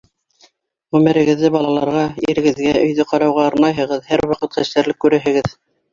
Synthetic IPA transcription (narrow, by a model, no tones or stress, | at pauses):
ʁʉmɘ̆ɾɘ̆ɡɘ̆ðːɘbɑlˠɑlˠɑɾʁɑiɾɘ̆ɡɘ̆ðɡæɵ̆jðɵqɑɾɑwʁɑɤɾnɑjɦɤ̆ʁɤðhæɾwɑqɤt̪χæʃt̪æɾlɘkːʉɾɘɦɘ̆ɡɘð